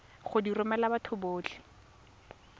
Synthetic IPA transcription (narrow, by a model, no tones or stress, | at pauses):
χʊdirʊmalabatʰʊboːt͡ɬʰɪ̥